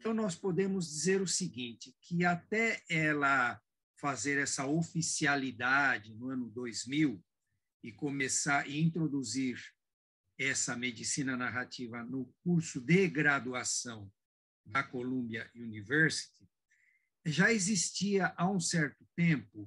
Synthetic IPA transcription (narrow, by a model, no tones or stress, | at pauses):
ẽt̪ɐ̃w̃nɔspod̪ẽmʊzd͡ʒizeɾʊsiɡĩt͡ʃɪkʰɪat̪ɛɛlɐ | fazeɾɛsɐofisialid̪ad͡ʒɪnʊɐ̃nʊd̪ojzmiw | ɪkomesaɾʔɪĩnt̪ɾod̪uziɾ | ɛsɐmed͡ʒisĩnɐnaɦat͡ʃivɐnʊkuɾsʊd̪ɪɡɾad̪uasɐ̃w̃ | d̪ɐkolũbiɐunivɛɾsi̥t̪ɪ | ʒaezist͡ʃiɐʔaũsɛɾt̪ʊt̪ẽmpʊ